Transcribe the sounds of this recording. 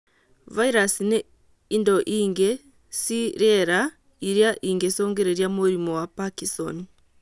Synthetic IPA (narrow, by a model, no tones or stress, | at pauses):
vaiɾasine | indoʔiːŋɡe | siɾeɾa | iɾjaʔiːŋɡesoːŋɡeɾeɾjamuɾimowapakiso̰n